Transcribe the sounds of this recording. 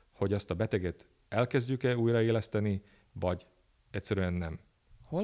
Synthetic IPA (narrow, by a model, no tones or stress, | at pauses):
ho̞ɟɒst̪ɒbɛt̪ɛɡɛt̪ | ɛlkɛzɟykɛuːjrɒeːlɛst̪ɛni | vɒɟ | ɛcʲsɛɾyɛnːɛm | ho